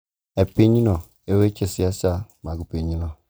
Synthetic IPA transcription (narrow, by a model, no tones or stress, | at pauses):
ɛpeɲinɔ | ewet͡ʃesiasamaɡupeɲinɔ